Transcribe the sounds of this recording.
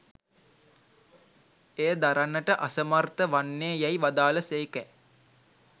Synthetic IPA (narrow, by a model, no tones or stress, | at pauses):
ejəd̪aɾanːəʈəʔasəmart̪əʋanːeːjɛjʋad̪aːləseikɛ